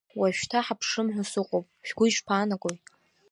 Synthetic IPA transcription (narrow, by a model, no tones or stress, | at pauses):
waʃᶣtʰaħapʰʂɨmħʷʊsɨqʷʼowpʼʃᶣɡ̥ʷʊiʃpʰaːnaɡʼojt